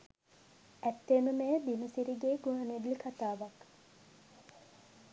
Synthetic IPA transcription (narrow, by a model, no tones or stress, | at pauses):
æt̪ːeːməmejəb̪inəsiɾiɡeːɡuɦaned̪likʰat̪aːʋak